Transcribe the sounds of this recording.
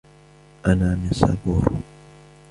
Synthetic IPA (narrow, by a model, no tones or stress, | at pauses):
ʔanaːmɪsa̰buːɾ